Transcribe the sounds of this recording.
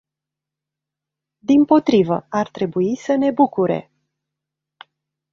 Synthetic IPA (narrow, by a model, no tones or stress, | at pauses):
d̪impo̞t̪ɾivə̰art̪ɾe̞buisəne̞bukuɾe̞̰